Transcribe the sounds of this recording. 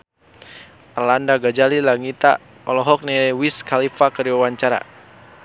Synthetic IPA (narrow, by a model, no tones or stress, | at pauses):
arlandaɡad͡ʒalilaŋit̪a̰ | ɔlɔɦɔk̚nɛwiskalifakəɾiwawaɲt͡ʃaɾa̰